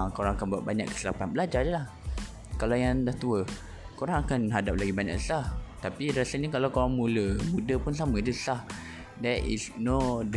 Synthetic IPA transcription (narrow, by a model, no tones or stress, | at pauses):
koɾãŋakanbuaʔ̚baɲa̰kːə̥silapanbəlad͡ʒadəlah | kalajãndaht̪uə | koɾãŋakanɦadap̚laɡibaɲa̰ksə̥saht̪apiɾasəlɲakalakoɾaŋmuləmũdəpʊns̬amə̃idusə̥sah | dɛtḭsnɔd